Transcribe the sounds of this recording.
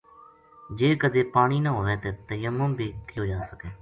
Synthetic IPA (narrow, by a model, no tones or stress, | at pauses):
d͡ʒeːkəd̪eːpaːɳ̃iːnãːɦoːʋẽːt̪eːt̪əjəmə̃ːbiːkɪɦoːd͡ʒaːsəkẽː